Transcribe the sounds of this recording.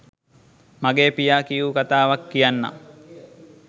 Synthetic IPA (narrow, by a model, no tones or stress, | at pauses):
maɡeːpijaːkijukat̪aːʋakːijanːa̰